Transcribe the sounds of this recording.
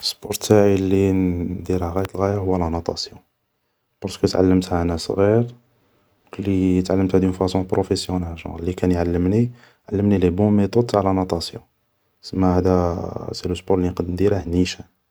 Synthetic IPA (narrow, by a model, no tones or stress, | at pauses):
fspɔɾt̪aʕilːid̪iɾhæɣæjət̪əlɣæjahʊwːælænot̪ˤɑ̰sjɔ̃ | pɑɾskət̪ʕa̰lːəmt̪hænæsˤɣiɾ | klit̪ʕalːəmt̪hæd̪jənfæsɔ̃pɾofesjɔnælʒɑ̰̃lːikænjʕalːəmni | ʕalːəmnilebõmet̪ˤod̪̚t̪aʕlænot̪ˤɑsjɔ̰̃ | səmːæhæd̪æsiluspɔɾlinqɑd̪əmd̪iɾæhniʃæ